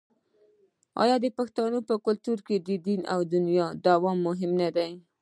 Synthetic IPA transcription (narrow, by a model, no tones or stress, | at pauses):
ɑ̰jɑd̪əpaxt̪ɑnopəkʊlt̪uɾked̪əd̪ina̰wd̪ʊnjɑd̪awɑmːʊɦɪmnad̪aj